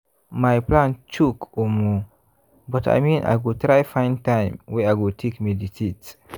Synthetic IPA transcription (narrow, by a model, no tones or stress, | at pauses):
majplãnt͡ʃukʰomu | bɔta̰jmĩnʔa̰jɡot̪ɾajfãj̃ntãjmweajɡotʰekmidisit